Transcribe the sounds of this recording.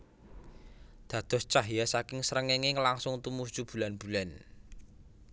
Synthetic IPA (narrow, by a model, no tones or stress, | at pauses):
d̪̥ä̤d̪̥ɔ̤st͡ʃaɦijasakɪŋsəɾəŋɛŋeŋlaŋsʊŋt̪umust͡ʃub̥ṳlanb̥ṳlan